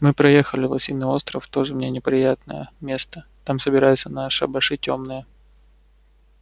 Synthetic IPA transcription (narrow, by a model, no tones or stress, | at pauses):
mɨpɾɐjexəlʲɪvɐ̰sʲinːɨo̞st̪ɾəft̪o̞ʐɨmnʲenʲɪpɾʲɪjat̪nə̰jə̰mʲe̞st̪ət̪amsəbʲɪɾajʊt̪sənaʂɨɐ̰bɐʂɨtʲːomnɨjə